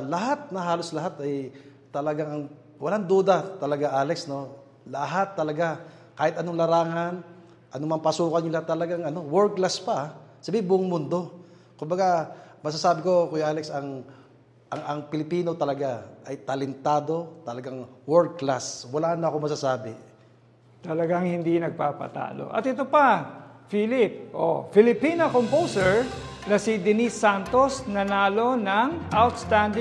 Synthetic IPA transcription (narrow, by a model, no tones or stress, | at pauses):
lɐɦat̪̚nɐɦaːlo̞slɐɦat̪ɐj | t̪ɐlɐɡaŋɐŋ | wɐlaŋd̪uːd̪ɐt̪ɐlɐɡaʔaːlɛksno̞ | lɐɦat̪ːɐlɐɡa | kaːhɪt̪ʔɐno̞ŋlɐɾaːŋan | ʔɐnomɐmpɐsuːkɐnːɪlat̪ɐlɐɡaŋɐno̞wɛɹklaspaʔsɐbiɪbʊʔʊŋmʊnd̪o̞ | kʊmbɐɡamɐs̬asaːbɪko̞kʊjʔaːlɛksɐŋ | ʔɐŋʔɐŋpɪlɪpiːno̞t̪ɐlɐɡaʔɐjt̪ɐlɛnt̪aːd̪o̞t̪ɐlɐɡaŋwɛɹkklaswɐlanɐɐkomɐsasaːbɪ | t̪ɐlɐɡaŋhɪnd̪inɐɡ̚paːpɐ̰t̪a̰ːlo̰ʔɐ̰t̪ɪt̪opɐfiːlɪp̚ʔo̰fɪlɪpinɐkompowsɛɹnɐsid̪ɛnisːant̪o̞snɐnaːlo̞nɐŋʔawt̪st̪and̪ɪ